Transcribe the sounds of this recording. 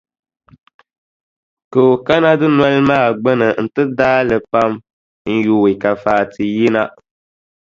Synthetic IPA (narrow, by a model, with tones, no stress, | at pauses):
kɨ˨ka˦na˦dɨ˦nwɛ˦lmaː˦˨ɡ͡bɛ˦nɨ˨n̩˦tɨ˦daː˦lɨ˨pa˦m | n̩˦juː˨i˨ka˨faː˨tʰɨ˨ji˦na˦